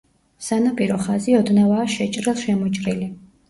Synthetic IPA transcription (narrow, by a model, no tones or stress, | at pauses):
sanapʼiɾɔχaziɔd̪navaːʃɛt͡ʃʼɾilˠʃɛmɔt͡ʃʼɾili